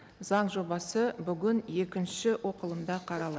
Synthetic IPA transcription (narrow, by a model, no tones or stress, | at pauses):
zɑɴʒo̞bɑsəbʏɡʲɪnje̞kʲɪnʃɪwʔo̞qəlˠəmd̪ɑqʰɑɾɑlˠɑ